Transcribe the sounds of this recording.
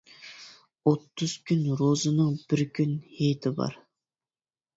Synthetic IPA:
ot̪ːʊz̥kʲynɾozɨnɨŋb̥ɪɾkʲʰynhejt̪ʰɪbɑ̰ɾ

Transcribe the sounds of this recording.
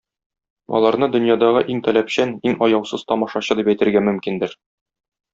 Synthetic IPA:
ɒ̰lˠɑɾnɤd̪ɵ̆njɑd̪ɑʁɤʔiŋt̪ælæpɕæniŋɒjɑwsɤz̥t̪ɒmɒʃɑɕɤd̪ipæjt̪ɘ̆ɾɡæmɵ̆mkind̪ɘɾ

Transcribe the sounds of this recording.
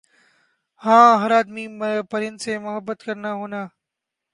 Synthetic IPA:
hãːɦəɾaːd̪miːpəɾɪənɪseːmʊɦəbːət̪kəɾnaːɦuːnaː

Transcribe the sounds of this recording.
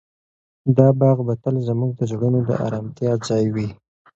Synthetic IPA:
d̪ɑbɑɣbat̪əlzəmuɡ̚d̪əd͡ʒoɽənod̪ə̰ʔɑ̰ɾɑmt̪jɑzɑjwi

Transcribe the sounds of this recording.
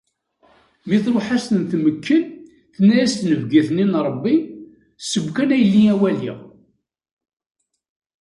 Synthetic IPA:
miθɾoħast̪ənθməkːən | θnæjæst̪nəvɡiθninɾˤəbːi | səbkænæjəlːiæwælḭʁ

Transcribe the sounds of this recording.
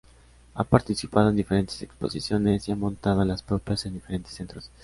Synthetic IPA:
a̰paɾt̪isipað̞oe̞nd̪ife̞ɾe̞nt̪e̞se̞kspo̞̰sisjo̞ne̞siamõ̞nt̪að̞oalaspɾo̞pjase̞nd̪ife̞ɾe̞nt̪e̞sːe̞nt̪ɾo̞s

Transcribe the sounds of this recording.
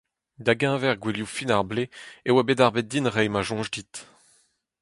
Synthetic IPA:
d̪aɡɛ̃vɛʁɡwiljufinaʁbleewabedaʁbet̚dinʁɛjmaʒɔ̃ʒdit̪

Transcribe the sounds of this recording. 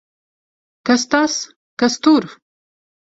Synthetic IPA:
kɐst̪as | kɐst̪uɾf

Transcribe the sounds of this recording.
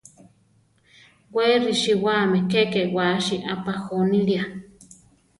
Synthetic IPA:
weriʃiwamekekewaʃiʔapaxonilia

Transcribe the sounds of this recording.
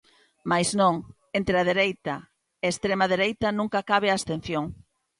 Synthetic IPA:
majznõŋ | ent̪ɾeɐðeɾejt̪ɐ | eest̪ɾemaðeɾejt̪ɐnũŋkakaβeaːst̪en̟θjoŋ

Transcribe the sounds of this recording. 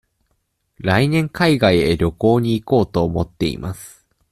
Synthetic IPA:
ɾainẽ̞ŋkaiɡaieɾʲo̞ko̞ːɲ̟iːko̞ːt̪o̞ːmo̞t̪ːe̞̰ḭmʔasɨ̥

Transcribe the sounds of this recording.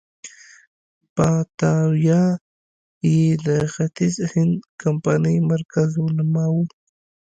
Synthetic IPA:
pat̪awjɑ | jed̪əxat̪izhɪnd̪kampanəjmaɾkazwʊlamawu

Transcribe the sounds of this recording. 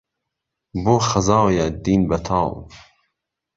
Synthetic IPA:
boːxɐzɑːwjɛd̪iːnbɐt̪ʰɑːw

